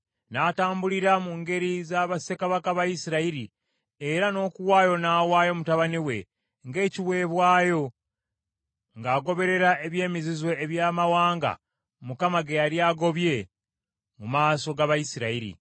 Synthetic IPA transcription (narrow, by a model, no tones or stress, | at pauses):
naːtaːmbuliɾamuːŋɡe̞ɾizaːβase̞kaβakaβajisiɾaiɾi | e̞ɾano̞ːkuwaːjo̞naːwaːjo̞mutaβaniwe̞ | ŋɡe̞ːciwe̞ːβwaːjo̞ | ŋɡaːɡo̞βe̞ɾe̞ɾae̞βje̞ːmizizwe̞ːβjaːmawaːŋɡa̰ | mukamaɡejaɾiaːɡo̞βje̞ | mumaːso̞ɡaβajisiɾaiɾḭ